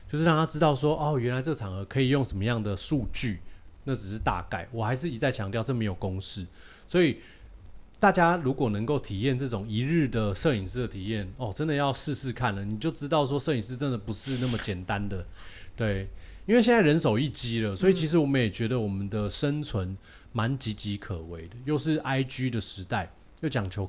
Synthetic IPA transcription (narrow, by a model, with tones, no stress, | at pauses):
t͡ɕjo˥˧ʂ̩˥ɻɑ˥˧ŋt̪ʰa˥ʈ͡ʂɻ̩˥t̪ɑ˥˩ʊʂwɔ˦˥ʔɔ˥˩ɥɛ˧˦nla˧˥ɪt͡sɤ˥ɡʰɑ˨˩ŋə˧˦kʰɤ˧˥i˨˩jo˥˩ŋʂə˧˦nmə˧jɑ˥˩ŋd̪ə˩ʂu˥˧t͡ɕy˥˩na˥˩ʈ͡ʂ̩˨˩ʂɻ̩˥˧t̪a̰˥˧ka̰˨˩ɪwɔ˨˩xa˧˥ɪʂ̬ɻ̩˥˩i˧˩t͡sa˥˩ɪt͡ɕʰjɑ˧˥ŋt̪̬jɑ˥˧ʊʈ͡ʂɤ˥˩mə˧˩jo˨˩ʊkʊ˦˥ŋʂɻ̩˥˩ | swɔ˧˥i˨˩ | t̪a˥˩t͡ɕja˥ɻu˧˥kwɔ˨˩nə˧˦ŋko˥˩ʊt̪ʰi˨˩jɛ˥˨nt͡sɤ˥˩ʈ͡ʂʊ˨˩ŋi˧˥ɻ̩˥˩d̪ə˩ʂɤ˥˩i˨˩ŋʂɻ̩˥˩d̪ə˩t̪ʰi˨˩jɛ˥˩nɔ˨˩ʈ͡ʂə˥˦nd̪ə˨jɑ˥˧ʊʂɻ̩˥˧sɻ̩˥˧kʰa˥˨˩nlə˩ni˨˩t͡ɕjo˥˩ʊʈ͡ʂɻ̩˥t̪ɑ˥˩ʊʂ̬wɔ˥ʂɤ˥˩i˨˩ŋʂ̬̩˥˧ʈ͡ʂə˥nd̪ə˨pu˧˥ʂɻ̩˥˧na˥˩mə˩t͡ɕjɛ˨˩nt̪a˦nd̪ə˨ | t̪we˥˩ɪ | i˥nwe˥˧ɪjnt͡sa˥˩ɻə˧˦nso˨˩ʊi˥˩t͡ɕi˦˥lə˨swɔ˧˥i˨˩t͡ɕʰi˧˥ʂ̬ɻ̩˧˥wɔ˨˩mə̃˦jɛ˨˩t͡ɕɥɛ˧˥d̪ə˨wɔ˨˩mə˨˦nd̪ə˨ʂə˦nt͡sʰwə˧˦n | ma˧˦nt͡ɕi˧˥t͡ɕi˧˥kʰə˨˩we˧˦ɪd̪ə˨jo˥˧ʊʂɻ̩˥˩ʔa˥ɪt͡ɕy˥d̪ə˨ʂɻ̩˧˥t̪a˥˩ɪ | jo˥˩ʊt͡ɕjɑ˨˩ŋt͡ɕʰjo˧˥ʊ